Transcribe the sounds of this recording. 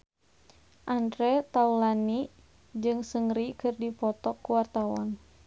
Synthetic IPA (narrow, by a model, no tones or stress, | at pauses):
ʔandɾɛt̪aulani | d͡ʒɨŋsəŋɾikɨrdipɔt̪ɔkːuwart̪awa̰n